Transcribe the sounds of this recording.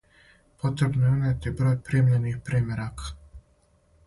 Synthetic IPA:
po̞t̪ɾebnojeuneːt̪ibɾo̞ːjpɾiːmʎenixpɾiːmjeɾakʰḁ

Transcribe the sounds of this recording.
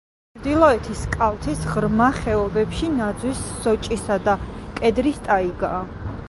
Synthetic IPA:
t͡ʃʰɾd̪ilˠɔɛt̪ʰiskʼalt̪ʰisʁɾmaχɛɔbɛpʃinad̪zwisːɔt͡ʃʼisad̪akʼɛd̪ɾist̪ʼaiɡaː

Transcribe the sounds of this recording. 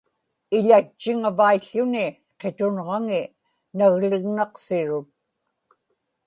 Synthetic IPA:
ɪʎat͡ʃːɪŋavaiɬːʊnɪ | qe̞t̪ʊnʁɑŋɪ | naɣlɪɣnɑqsɪɻʊt̪̚

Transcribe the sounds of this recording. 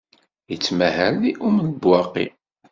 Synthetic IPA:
jət͡sːmæhælːiʔuməlbwɑqːḭ

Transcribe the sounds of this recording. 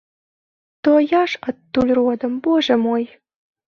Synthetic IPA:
t̪ojɑʃət̪ːulʲrod̪ə̆mboʒə̆moj

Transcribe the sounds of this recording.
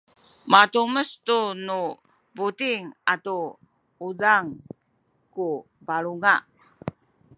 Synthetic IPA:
matuməstunu | butiŋatu | udaŋ | ku | baɾuŋa

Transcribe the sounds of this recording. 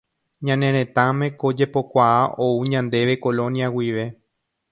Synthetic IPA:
ɲãnẽɾ̃ẽ̞t̪ãmẽko̞d͡ʒe̞po̞kʷaaʔo̞uɲãnd̪e̞ʋe̞ko̞lõ̞njawiʋe̞

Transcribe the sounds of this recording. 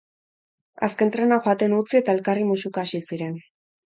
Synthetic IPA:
a̰ske̞nt̪ɾe̞naxoat̪e̞nut͡sie̞t̪ae̞lkarimusukaːʃisiɾe̞n

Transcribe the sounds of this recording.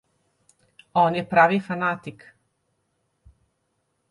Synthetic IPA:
oːnjepɾaːʋifanat̪ik

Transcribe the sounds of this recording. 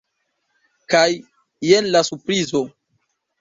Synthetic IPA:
kajː | enlasuɾpɾizo̞

